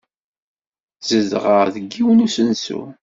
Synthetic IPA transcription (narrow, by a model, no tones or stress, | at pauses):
z̥əzʁəʁðəɡːiwənusənsṵ